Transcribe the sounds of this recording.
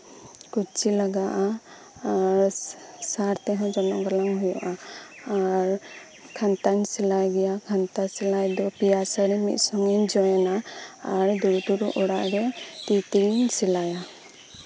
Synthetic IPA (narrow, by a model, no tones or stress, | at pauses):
kut͡ʃilaɡaʔa | aɾsaɾt̪ɛɦɔ̃d͡ʒɔnɔŋɡalaŋɦujɔʔaː | ɾ | kʰant̪aɲsɛlajɡɛjakʰant̪asɛlajd̪ɔpijasaɾɛmḭt̪̚ˀsɔŋɛnd͡ʒɔjɛnaːɾd̪uɾuʈuɾuʔɔɽaʔɾɛt̪it̪insilaja